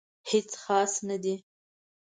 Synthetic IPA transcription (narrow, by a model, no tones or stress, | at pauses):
het͡sxɑsnad̪i